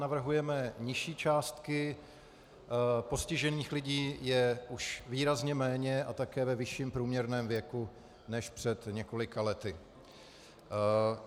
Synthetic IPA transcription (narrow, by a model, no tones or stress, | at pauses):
navr̩ɦujɛmɛɲɪʃiːt͡ʃaːst̪kɪ | po̞scɪʒɛniːxlɪɟiːjɛʔuʃviːɾazɲɛmɛːɲɛʔat̪akɛːvɛvɪʃiːmpɾuːmɲɛɾnɛːmvjɛku | nɛʃpr̝̥ɛt̪ɲɛko̞lɪkalɛt̪ɪ